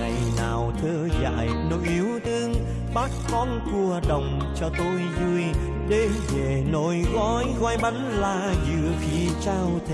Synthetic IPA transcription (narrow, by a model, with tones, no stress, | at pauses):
a̰˨jnaː˨˩wt̪ʰəː˧za̰ː˧˨jno̰˧˨˦jʔi˨˦əwt̪ʰɨ˧əŋ | ɓaː˦˥t̚kɔ˧nku˨˩əɗə˨˩wŋ͡m | t͡ɕɔ˧t̪o˧jzu˧j | ɗe˨˦ve˨˩no˧˩jɣɔ˧˦jɣwa˧jɓa˨˦nlaː˨˩zɨ̰˧˨əfi˨˦ət͡ɕaː˧wt̪ʰ